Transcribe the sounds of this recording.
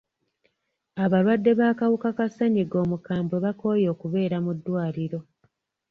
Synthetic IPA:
aβalwadːe̞βaːkawukakaseɲiɡo̞ːmukaːmbweβako̞jo̞ːkuβe̞ːɾamudːwaːliɾo̞

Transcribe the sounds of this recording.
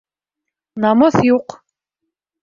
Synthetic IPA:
nɑməθjuq

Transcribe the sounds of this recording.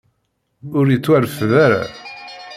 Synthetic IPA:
ʊɾjət͡sːwæɾfðaɾa̰

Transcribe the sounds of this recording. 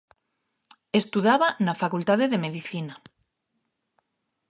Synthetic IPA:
est̪uðaβanafakult̪aðeðemeðiθina

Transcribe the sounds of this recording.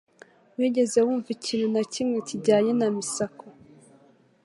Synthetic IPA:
wiːɟe̞zewuːɱvicʰiːnunacimŋeciɟaːɲe̞namisako

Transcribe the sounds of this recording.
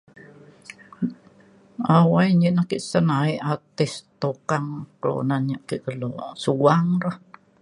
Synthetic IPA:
awaiɲiʔnahkiʔsənaiʔat̪ist̪okaŋkəlo̰nanɲaʔkiʔkəlo̰suaŋɾah

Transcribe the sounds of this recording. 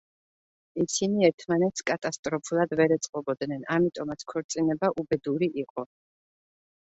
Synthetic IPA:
isiniɛɾt̪ʰmanɛt̪skʼat̪ʼast̪ʼɾɔpʰulˠad̪vɛɾɛt̪sʼqʼɔbɔd̪nɛnamit̪ʼɔmat̪sʰkʰɔɾt̪sʼinɛbaʔubɛd̪uɾiʔiqʼɔ

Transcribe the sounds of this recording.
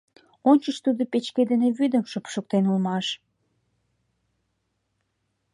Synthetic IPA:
onʲt͡ɕəʃt̪ud̪opet͡ɕked̪eneβyd̪ə̆mʃopʃok̚t̪enulmɑʃ

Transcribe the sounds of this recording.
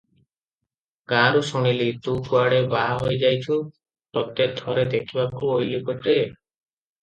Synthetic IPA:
kãɾusuɽ̃ilit̪ukuaɽebaɦojd͡ʒajt͡ʃʰu | t̪ɔt̪ed̪ʱɔɾed̪ekʰibakuojlikɔʈe

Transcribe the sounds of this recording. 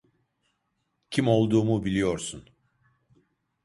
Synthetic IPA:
cʰimo̞lˠd̪uːmubilʲijo̞ɾsun

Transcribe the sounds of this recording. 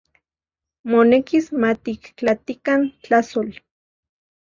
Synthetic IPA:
monekismat̪iklat̪ikant͡ɬasol

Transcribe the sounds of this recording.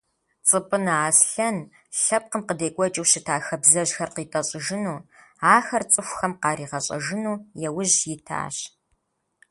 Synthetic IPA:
t͡sʼɨpʼɨnaːsɬɐn | ɬɐp̚qəmqədeːkʷʼɔt͡ʃʼɪwɕɪtʰaːxɐbzɐʑxɐrqiːtʼɐɕʼɪʒɪnuːaːxɐrt͡sʼɨxʷxɐmqɑːriːʁɐɕʼɐ̰ʒɪnuːjɛwʊʑjɪtʰa̰ːɕ

